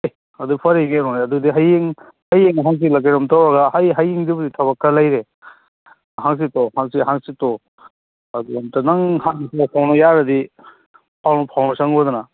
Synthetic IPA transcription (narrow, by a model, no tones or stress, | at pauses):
ɐdupʰɐɾiɡeɾɔŋiɐdudiɦajeŋ | hajeŋɦaŋs̬ilakeɾɐmtawaɡahajɦajiŋdibuditʰaβakʰːalajɾe | ɦaŋs̬itɔhaŋsiɦaŋsitɔ | ɐduamtanaŋhaŋsapʰawnɔjaɾɐdi | pʰawnɔpʰawnɔsaŋɡɔdɔna